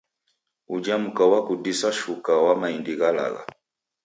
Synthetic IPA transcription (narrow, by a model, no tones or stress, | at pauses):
ud͡ʒam̩kawakudisaʃukawamaindiɣala̰ɣa̰